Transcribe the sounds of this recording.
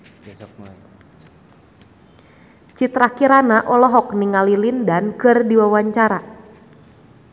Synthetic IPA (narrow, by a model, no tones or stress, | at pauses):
t͡ʃit̪ɾakiɾanaʔɔlɔɦɔk̚niŋalilindankɨrdiwawaɲt͡ʃaɾa